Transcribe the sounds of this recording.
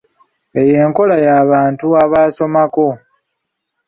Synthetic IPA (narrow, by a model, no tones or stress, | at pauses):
e̞je̞ːŋko̞lajaːβaːntuaβaːso̞mako̞